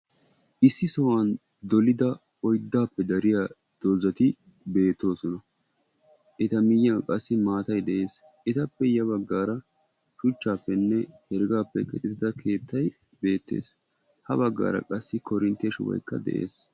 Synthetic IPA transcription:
ʔɪsːɪsɔwaːn | d̪ɔlɪd̪ɐ | ɔjd̪ːaːpːɛd̪ɐɾɪjaː | d̪̥oːzɐt̪ɪ | be̞ːt̪ːo̞ːsɔnɐ | ʔɛt̪ɐmɪjːɐkʼɐsːɪmaːt̪ɐjd̪ɛʔe̞ːs | ʔɛt̪ɐpːɛjɐβɐɡːaːɾɐ | ʃʊt͡ʃːaːpːɛnːɛhɛɾɡaːpːɛkɛt̪ʼɪt̪ɪd̪ɐkʰe̞ːt̪ʰːɐj | be̞ːt̪ːḛːs | hɐbɐɡːa̰ːɾɐ̰kʼɐsːɪkɔɾɪnt̪ːeʃʊ̰wɐ̰jkːɐ̰d̪ɛ̰ʔe̞̰ːs

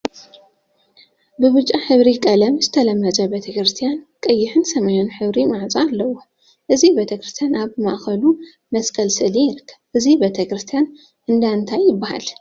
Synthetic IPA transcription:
bɨβɨt͡ʃʼːaħɨβɾikʼɐlɐmzɨt̪ʰɐlɐmːɐzʼɐbet̪ʰɐkɾɨst̪ʰijankʼɐjːɪħɨnsɐmɐjonħɨβɾimaʕt͡sʼaalːɐwːo | ʔɨzibet̪ʰɐkɾɨst̪ʰjanaβma̰ʔxɐlu | mɐskʰʼɐlsɨlijɪɾɨkːɐβʔɨzibet̪ʰɐkɾɨst̪ʰijan | ʔɨnd̪aɨnt̪ʰajːɪbːaha̰l

